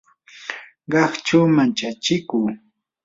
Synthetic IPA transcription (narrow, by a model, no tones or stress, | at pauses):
ɢɑχt͡ʃawmant͡ʃat͡ʃɪkuː